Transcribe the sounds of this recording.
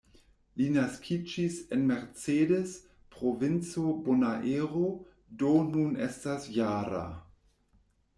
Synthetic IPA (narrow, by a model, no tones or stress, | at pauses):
linaskʰid͡ʒisenmeɾt͡sedes | pɾovint͡sobonaʔeɾo | donunestasjaːɾa̰